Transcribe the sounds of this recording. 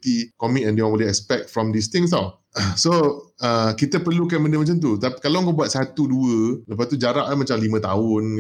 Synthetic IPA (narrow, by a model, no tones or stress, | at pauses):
t̪ikɔmit̚ɛ̃ndewɔ̃nwiliɛkspɛk̚t̚fɾɔ̃md̪ist̪ɪ̃ŋst̪a | soəkit̪əpərlukanmə̃ndəmat͡ʃant̪̬ut̪api̥kalaŋkoʔbuat̪̚sat̪uduələp̬ast̪ud͡ʒaɾaʔlamat͡ʃamlimə̃t̪aʊn